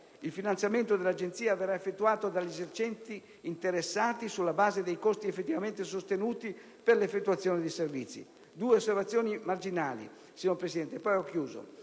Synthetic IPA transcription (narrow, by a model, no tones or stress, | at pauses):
ilfinant̪sjament̪od̪elad͡ʒent̪siːaverːaefːet̪ːuaːt̪od̪aʎːezert͡ʃɛnt̪iː | nt̪eɾesːaːt̪isulːabaːzed̪ejkost̪iefːet̪ːivament̪esost̪enuːt̪i | perlefet̪ːuat̪sːjoːned̪eservit̪sːḭ | d̪uːeosːervat̪sjoːnimard͡ʒinaːlḭ | siɲoɾpɾesid̪ɛnt̪epːɔjɔkːjuːzo̰